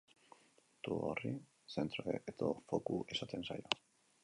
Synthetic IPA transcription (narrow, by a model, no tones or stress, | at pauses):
t̪uori | se̞nt̪ɾoeet̪ofo̞kuʔe̞sat̪e̞nsajo